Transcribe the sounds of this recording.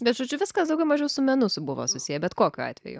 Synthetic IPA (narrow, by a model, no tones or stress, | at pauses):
bʲɛt̪ʒoːd͡ʒʲʊʋʲɪskɐsd̪ɐʊɡʲɛʊmɐʒʲɛʊsʊmʲɛnʊsʊbʊʋo̰ːsʊsʲijɛbʲɛt̪koːkʲuːɑ̰ːt̪ʲʋʲɛ̰jʊ̰